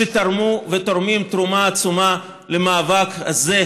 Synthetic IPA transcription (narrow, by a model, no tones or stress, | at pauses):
et̪aɾmuvet̪oɾmimt̪ɾumaːt͡suma | lemaːvakaze